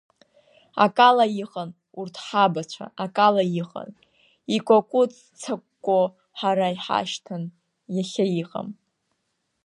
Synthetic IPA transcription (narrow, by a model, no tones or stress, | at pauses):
a̰kʼalajiχʼan | urtʰħabat͡ɕʷʰa̰ʔakʼalajiχʼa̰n | ikʷʼakʷʼʊt͡sʰʼ | t͡sʰakʷːʼo | ħaɾaiħa̰ʃtʰan | jaχʲajiqʼa̰m